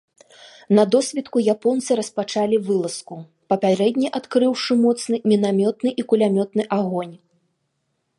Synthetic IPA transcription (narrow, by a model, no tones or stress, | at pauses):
nɐd̪ɔsʲvʲɛt̪kujapɔnt̪sɨɾɐspat͡ʂalʲivɨlˠɐsku | pɐpʲaɾɛd̪ʲnʲiʔat̪kɾɨwʂɨmɔt̪snɨmʲinamʲɔt̪nɨʔikulʲamʲɔt̪nɨʔaɣɔnʲ